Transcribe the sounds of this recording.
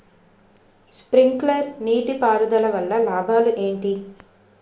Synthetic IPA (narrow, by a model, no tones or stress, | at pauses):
spɾiŋklɐɾniːʈipaːɾud̪ɐlɐʋɐlːɐlaːbʱaːluʔe̞ːɳʈi